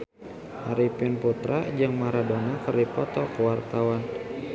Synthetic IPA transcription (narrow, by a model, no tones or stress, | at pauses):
haɾipɪnput̪ɾad͡ʒaŋmaɾadonakərdipɔt̪ɔkəwart̪awan